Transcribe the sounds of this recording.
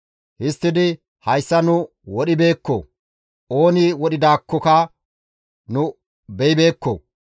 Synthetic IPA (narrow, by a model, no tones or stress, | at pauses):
hɪst̪ːɪd̪ɪ | hɐjsːɐnʊ | wɔɗɪbe̞ːkːɔ̰ | o̞ːnɪwɔɗɪd̪aːkːɔkɐ | nʊ | bɛɪbe̞ːkːɔ̰